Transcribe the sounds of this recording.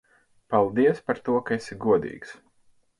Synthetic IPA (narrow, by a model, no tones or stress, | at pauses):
palˠd̪iɛspaɾt̪uɔkaesiɡuɔd̪ḭːɡs